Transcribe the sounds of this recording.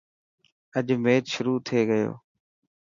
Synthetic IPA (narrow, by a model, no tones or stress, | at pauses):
əʄmeːt̪ʃʊɾuːt̪ʰeːɡəjo̰ː